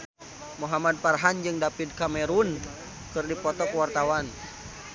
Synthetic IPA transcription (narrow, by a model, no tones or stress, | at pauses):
muɦamad̚parɦand͡ʒɨŋdapid̪̚kamɛɾun | kɨrdipɔt̪ɔkəwart̪awan